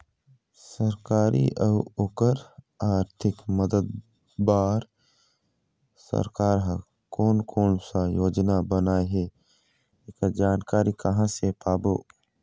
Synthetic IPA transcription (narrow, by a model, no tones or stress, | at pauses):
səɾkaːɾḭʔəʊoːkəɾ | aːɾt̪ʰɪkməd̪əd̪ | baːɾ | sə̰ɾkaːɾɦã | koːnkʰoːnsajoːd͡ʒnabənaːeɦe | ekad͡ʒaːnkaːɾikɐɦãsepaːboː